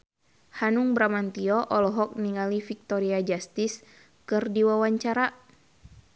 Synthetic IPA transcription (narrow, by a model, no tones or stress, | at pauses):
hanuŋbɾamant̪iɔʔɔlɔɦɔk̚niŋalifik̚t̪ɔɾiad͡ʒast̪is | kɨrdiwawaɲt͡ʃaɾa